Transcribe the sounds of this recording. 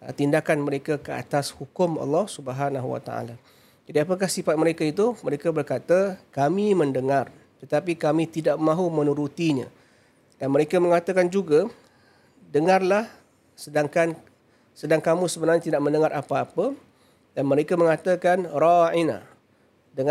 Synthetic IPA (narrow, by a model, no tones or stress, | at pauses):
t̪indakanməɾekakəa̰t̪ashukʊmɑ̰lːɑhsubəɦanaɦuwa̰t̪a̰a̰la | d͡ʒadiap̬ək̬ahsifat̪̚məɾekait̪̬uməɾekabərkat̪akamimə̃ndəŋar | t̪ət̪apikamĩt̪idaʔmãɦumə̃nũɾut̪iɲã̰ | d̥anməɾekaməŋat̪akand͡ʒuɡa | dəŋarlah | sədaŋkan | sədaŋkamũsəbənarɲat̪idaʔ̚mə̃ndəŋaɾʔapaːpə | danməɾekaməŋat̪akanraina̰ | də